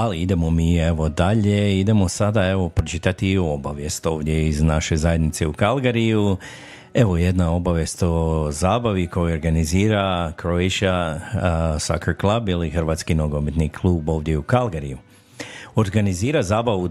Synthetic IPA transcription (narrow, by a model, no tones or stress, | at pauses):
aliid̪e̞mo̞miːe̞ʋo̞d̪aʎe̞id̪e̞mo̞sad̪ae̞ʋo̞pɾot͡ʃit̪at̪io̞baʋje̞st̪o̞ːʋd̪je̞iznaʃe̞zaje̞d̪nit̪se̞ukalˠɡaɾiju | e̞ʋo̞je̞d̪nao̞baʋje̞st̪o̞zaːbaʋiko̞joo̞ɾɡaniziːɾakɾoeʃa | sa̰kaɾklˠabilixr̩ʋaːt̪skinoɡomet̪nikʰlˠuːbo̞ːʋd̪je̞ukalˠɡaɾiju | o̞ɾɡaniziːɾazaːbaʋu